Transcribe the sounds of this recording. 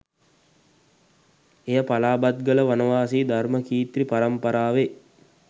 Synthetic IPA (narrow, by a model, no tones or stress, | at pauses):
ejəpalaːbat̪̚ɡələʋanəʋaːsiːd̪ʱarməkiːt̪ɾipaɾəmpɐɾaːʋe